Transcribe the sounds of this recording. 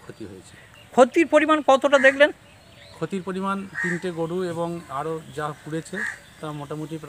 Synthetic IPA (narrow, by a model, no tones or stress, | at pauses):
kʰot̪iɦo̰jet͡ɕʰe | kʰot̪iɾpoɾimankɔt̪oʈad̪ekʰlen | kʰot̪iɾpoɾimant̪inʈeɡoɽueboŋaɾod͡ʑakuɽet͡ɕʰe | t̪amoʈamoʈip